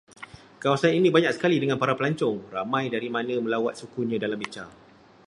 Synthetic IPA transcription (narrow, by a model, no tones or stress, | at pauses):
kawasaninĩbaɲãksə̥kalidəŋanpaɾapəlaɲt͡ʃɔŋramãjdaɾimãnə̃mə̃lawat̪̚sukuɲãdalamit͡ʃa